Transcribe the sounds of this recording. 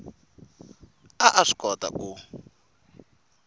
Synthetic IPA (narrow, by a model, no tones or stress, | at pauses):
aʔaʂi̥kɔta̰ʔu